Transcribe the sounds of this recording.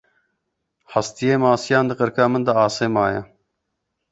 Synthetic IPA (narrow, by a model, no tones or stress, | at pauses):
hɐst̪ijeːmaːsijaːnd̪ɨqəɾkaːmənd̪ɐaːseːmaːjɐ